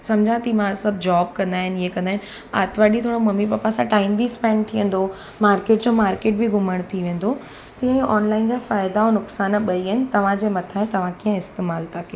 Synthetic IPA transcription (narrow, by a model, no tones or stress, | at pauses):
sɐmd͡ʑʱãt̪imãsɐbʱd͡ʑaːb̚kɐ̃nd̪aːɦɪniɦekɐ̃nd̪aːɦɪn | a̰ːt̪ʋaːɗit̪ʰoːɽomɐmipaːpasãʈaːɪmbispɛ̃ːɳɖt̪ʰiʋə̃n̆d̪o | maːɾkeːʈ̚d͡ʑoːmaːɾkeːʈ̚bɪɡʱʊməɽ̃t̪ʰiʋẽːn̆d̪o | t̪ĩːə̃ɔːnlaːɪnd͡ʑaːfaːɪd̪aonʊksaːnɓɐiəɦɪnɪ̆t̪ɐʋ̤ãd͡ʑeːmɐt̪ʰaːɦɪ̃nt̪ɐʋ̤ãkijə̃ɪst̪eːmaːlt̪ake